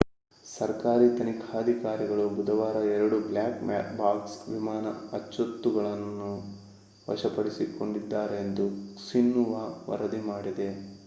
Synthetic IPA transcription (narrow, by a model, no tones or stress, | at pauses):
sɐɾkaːɾit̪ɐnikʰaːd̪ʱikaːɾiɡɐɭubud̪ɐʋaːɾɐɛɾɐɽubljaːkma̰ːtbaːksʋimaːnɐ̰ɐt͡ʃːot̪ːuɡɐɭɐnːu | ʋɐ̰ʃɐpɐɽisikoɳɖid̪ːaːɾeːnd̪usinːuʋaʋɐ̰ɾɐd̪imaːɽid̪e̞